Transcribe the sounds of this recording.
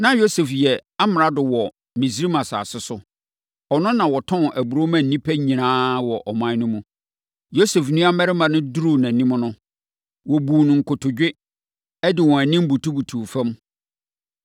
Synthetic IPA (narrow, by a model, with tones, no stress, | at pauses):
nã˦jo˦se˨fjɛ˨a˦m˨ɾa˦dʊ˨wɔ˨ | mĩ˨s̬ɾi˦mã˨sa̰ː˨sɪ˦sʊ˦ | ɔ˨nʊ̃˦nã˨wɔ˨tʰɔ̃˦nʔæ˨bu˨ɾo˦mã˨n̩˨nĩ˦pʰæ˦ɲĩ˨nãː˦wɔ˨ʔɔ˨mã˦nʊ̃˦mũ˦ | jo˦sɛ˨fnũ˦a˦mɛ˦ɾɪ˦mã˨nʊ̃˦du˦ɾu˦˨nã˨nĩ˦m̃˦nʊ̃˦ | wɔ˨bu˨nʊ̃˨ŋ̩˨kʊ˨tʰʊ˨d͡ʑᶣɪ˦ | ɛ˦dɪ˨wɔ̃˨æ˨nĩ˦m˦bu˨tʰu˦bu˨tʰuː˨fɛ̃˦m